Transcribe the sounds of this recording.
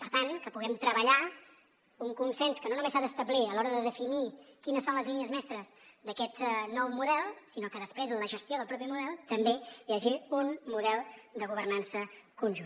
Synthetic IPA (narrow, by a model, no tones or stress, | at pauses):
pəɾt̪ankəpuɣɛmt̪ɾəβəʎa | uŋkunsɛnskənonumesaðəst̪əbliəlɔɾəðəðəfinikinəsːonləzliniəzmɛst̪ɾəzd̪əkɛt̪nɔwmuðɛlˠsinokəðəspɾezənləʒəst̪ioðəlˠpɾɔp̬imuðɛlˠt̪əmbejaʒiunmuðɛlˠd̪əɣuβərnansəkunʒun